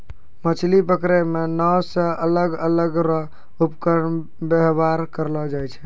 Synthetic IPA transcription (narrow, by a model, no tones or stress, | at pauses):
mət͡ʃʰlipəkɾemenɔwsə̃ələɡələɡɾə | upkəɾɳ | beɦbaɾkəɾlɔd͡ʒajt͡ʃʰɛ